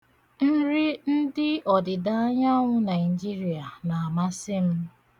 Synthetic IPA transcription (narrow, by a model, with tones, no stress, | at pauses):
n̩˦ɾɪ˦n̩˦dɪ˦ɔ˨dɪ˨da˦ɲa˦ŋʷʊ˦na˨ɪ˨d͡ʒi˦ɾi˨a˨na˨a˨ma˦sɪ˦m̩˦